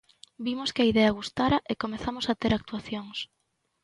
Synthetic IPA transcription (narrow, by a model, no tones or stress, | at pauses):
bimoskɪaiðɛɐɣust̪aɾɐʔekomeθamosat̪eɾak̚t̪uaθjoŋs